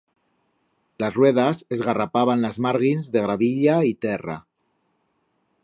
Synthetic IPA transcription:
lazrweðazezɣarapaβ̞anlazmaɾɣinzðeɣ̞ɾaβiʎait̪ɛra̰

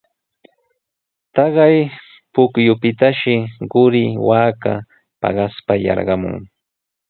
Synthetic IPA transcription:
t̪ɑɢɑj | pʊkjʊpɪt̪aʃɪɢʊɾɪwaːka̰ | pɑ̰ɢɑspajɑ̰ɾɢɑmʊ̰ŋ

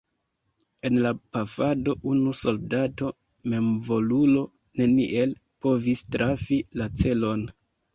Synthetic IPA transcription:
e̞nlapafado̞ʔunuso̞ldato̞ | me̞mvo̞lulo̞ | ne̞nḭʔe̞l | po̞vistɾafilat͡se̞lo̞n

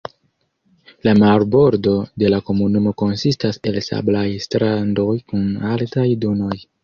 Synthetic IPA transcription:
lamaɾbo̞ɾdo̞de̞lako̞munumo̞ko̞nsistase̞lsa̰blajstɾando̞jkunaltajdono̞j

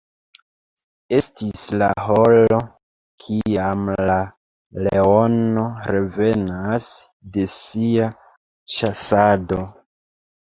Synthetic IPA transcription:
e̞stisla̰ɦo̞lo̞ | kʰiamla | leo̞no̞ɾe̞ve̞nas | de̞sia | ʃasado̞

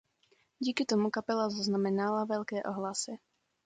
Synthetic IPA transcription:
ɟiːkit̪ɔmukapɛlazaznamɛnalaʋɛʎkɛːʔɔɦlasɛ

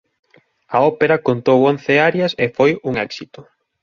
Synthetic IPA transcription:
ɐɔpeɾɐkont̪owon̟θeaɾjɐsefojuŋɛksit̪ʊ

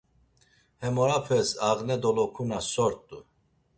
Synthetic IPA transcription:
hɛmɔɾapʰɛsaʁnɛd̪ɔlɔkʰunasɔɾt̪ʼːu

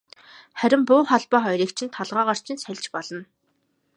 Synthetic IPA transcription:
χæɾʲɪ̆mpʊːχɔɮpɔːχɔjriːkt͡ɕʰɪ̆nt̪ʰːɔɮʁaːʁar̥t͡ɕʰɪ̆nsæɮʲt͡ɕpɔɮɞ̆n

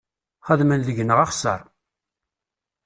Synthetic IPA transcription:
χəðmənðəʝnəʁɑχsə̰ɾˤ

